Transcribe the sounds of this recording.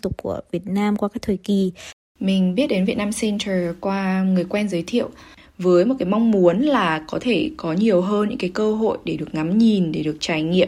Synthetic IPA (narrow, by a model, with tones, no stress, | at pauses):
t̪ʊ˨˩k͡p̚ku˧˩əvi˨˩ət̚naː˧mkwaː˧kaː˦˥k̚t̪ʰəː˨˩jki˨˩ | mï˨˩ŋ̟ɓi˦˥t̚ɗe˨˦nvḭ˧˨ət̚naː˧msɛ˧nt̪ʰəː˨˩kwaː˧ŋɨ˨˩əjkwɛ˧nzəː˨˦jt̪ʰḭ˧˨əw | vəː˨˦jmo˨˩t̚kaː˨˦jma˧wŋ͡mmu˨˦ənlaː˨˩kɔ˨˦t̪ʰe˧˩kɔ˨˦ɲi˨˩əwɦəː˧nɲɨ̰˧˥ŋkaː˨˦jkəː˧ɦo̰˧˨jɗe˧˩ɗɨ˨˩ə˩k̚ŋa˨˦mɲi˨˩nɗe˧˩ɗɨ˨˩ək̚t͡ɕaː˧˩jŋḭ˧˨əm